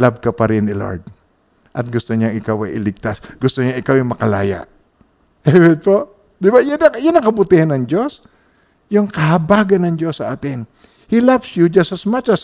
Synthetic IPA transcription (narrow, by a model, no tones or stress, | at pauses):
lab̚kɐpɐɾɪnɪlo̰ɹd̪̚ | ʔɐt̪̚ɡʊst̪oɲaŋɪkawɐ̰jʔɪlɪɡ̚t̪asɡʊst̪oɲaŋʔɪkawɪŋmɐkɐla̰ːja̰ʔ | ɛwɛt̪̚po | d̪ɪbajʊnɐjʊnɐŋkɐbʊt̪ihanːɐŋd͡ʒos | jʊŋkɐhɐbaːɡɐnːɐŋd͡ʒosːɐʔaːt̪ɪn | hilavsjud͡ʒasɐsmat͡ʃɐs